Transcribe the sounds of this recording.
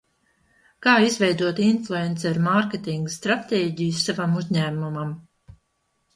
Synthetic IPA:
kaːizvɛjd̪uɔt̪inflˠuent̪saɾmaɾkʲet̪iŋɡst̪ɾat̪eːɟijsːavamuzʲɲæːmumam

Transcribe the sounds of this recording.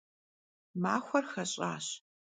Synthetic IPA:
maːxʷɐrxɐɕʼa̰ːɕ

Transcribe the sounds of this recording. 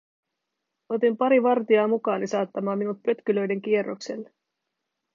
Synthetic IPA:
o̞t̪impɑɾiʋɑrt̪iɑːmukɑːnisɑːt̪ːɑmɑːmːinut̪̚pø̞t̪kylø̞jde̞ŋk̟ie̞rːo̞̰kse̞̰lːe

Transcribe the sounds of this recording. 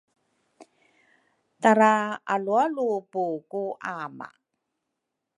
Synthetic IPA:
taɾaalualupukuʔama̰

